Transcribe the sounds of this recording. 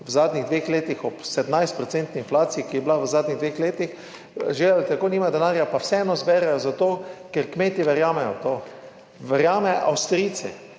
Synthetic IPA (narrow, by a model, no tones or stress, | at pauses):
wzaːd̪niɣd̪ʋeːxleːt̪ixɔpsɛd̪najst̪̚pɾɔt̪sɛnt̪niinflaːt̪sijikijɛblawəzaːd̪nʲiɣd̪ʋeːxleːt̪ix | ʒealt̪akoːniːmad̪ɛnaːɾjapawsɛɛːnɔzbɛɾɛjɔzat̪oːkɛɾkmeːt̪iʋɛɾjaːmɛjɔt̪oː | ʋɛɾjaːmɛʔa̰wst̪ɾiːt̪sɛ̰